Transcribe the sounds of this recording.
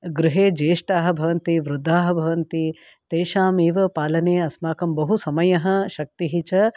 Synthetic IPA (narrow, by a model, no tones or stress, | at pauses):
ɡɾɪɦeːd͡ʒeːʂʈaːɦɐ̆bʱɐʋɐnt̪iʋɾʊd̪ʱːaːɦɐ̆bʱɐʋɐnt̪i | t̪eːʃaːmeːʋɐpaːlɐneːɐsmaːkɐmbɐɦusɐmɐjɐɦɐ̆ʃɐk̚t̪iɦit͡ʃɐ